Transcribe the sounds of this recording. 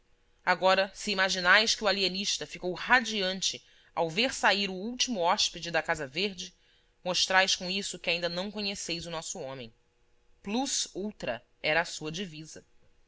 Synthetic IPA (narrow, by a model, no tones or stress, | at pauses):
aɡɔɾɐsɪimaʒinajskɪualieniʃt̪ɐfikowhad͡ʒiɐ̃nt͡ʃɪ | awveɾsaiɾʊuwt͡ʃimʊɔʃpid͡ʒɪd̪ɐkazɐveɾd͡ʒɪ | moʃt̪ɾajskõisʊkɪaĩnd̪ɐnɐ̃w̃kõɲesejzʊnɔsʊõmẽj̃ | pluzuwt̪ɾɐ̰ | ɛɾɐːsuɐd͡ʒivizɐ